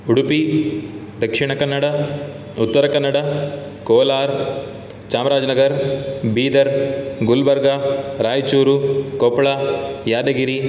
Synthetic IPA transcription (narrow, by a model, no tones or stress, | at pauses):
uɽupi | d̪ɐkʂiɳɐkɐnːɐɽɐ | ut̪ːɐɾɐkɐnːɐɽɐ | koːlaːɾ | t͡ʃaːmɾaːd͡ʒnɐɡɐɾbiːd̪ɐɾɡulbɐɾɡaɾaːjt͡ʃuːɾukɔpːɭajaːd̪ɐɡiɾi